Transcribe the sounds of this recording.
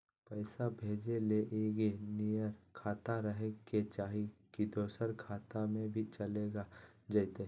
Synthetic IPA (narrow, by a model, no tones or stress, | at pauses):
pəɪsabʱeːd͡ʒeleʔeːɡinijəɾkʰaːt̪aɾəɦeket͡ʃaːɦikid̪oːsəɾkʰaːt̪amẽbʱit͡ʃɐleːɡa | d͡ʒɐɪt̪e